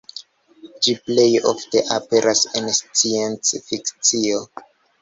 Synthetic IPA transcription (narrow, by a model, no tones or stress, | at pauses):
d͡ʒiplejo̰fteʔapeɾʔasenst͡sient͡sfikt͡sio